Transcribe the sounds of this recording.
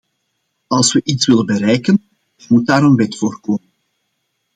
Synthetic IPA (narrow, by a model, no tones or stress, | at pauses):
ɑlˠswəʔitsʋɪlənbəɾɛjkən | mut̚daːɾənʋɛtfoːrkoːmən